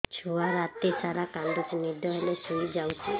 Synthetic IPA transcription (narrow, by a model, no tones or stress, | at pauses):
t͡ʃʰuaɾat̪isaɾakand̪ut͡ʃnid̪ʱjɔɦelesuid͡ʒawt͡ʃʰi